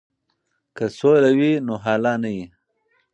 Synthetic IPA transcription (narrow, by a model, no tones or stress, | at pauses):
kəsolawinoɦɑːlɑnaji